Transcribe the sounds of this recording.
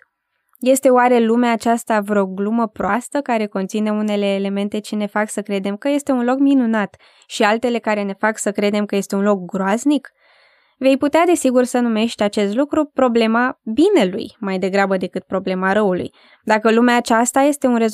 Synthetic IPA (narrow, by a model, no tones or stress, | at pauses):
je̞st̪e̞oaɾe̞lumeaːt͡ʃast̪avɾeo̞ɡluməpɾoast̪əkaɾe̞ko̞nt̪sine̞une̞le̞ːle̞me̞nt̪e̞t͡ʃine̞faksəkɾe̞d̪e̞mkəje̞st̪e̞unlo̞kminunat̪ | ʃialt̪e̞le̞kaɾe̞ne̞faksəkɾe̞d̪e̞mkəje̞st̪e̞unlo̞k̚ɡɾoaznik | ve̞jput̪ead̪e̞siɡursənume̞ʃt̪ʲat͡ʃe̞st̪lukɾupɾo̞ble̞mabine̞lṵjmajd̪e̞ɡɾabəd̪e̞kɨt̪̚pɾo̞ble̞maɾəulṵj | d̪akəlumeaːt͡ʃast̪aje̞st̪e̞unre̞z